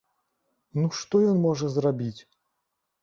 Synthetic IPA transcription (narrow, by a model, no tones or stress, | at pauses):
nuʂt̪ɔjɔnmɔʐəzrabʲit͡sʲ